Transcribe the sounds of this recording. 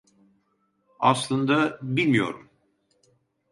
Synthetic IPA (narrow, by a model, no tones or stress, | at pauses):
aslˠɯnd̪abilʲmijo̞̰ɾum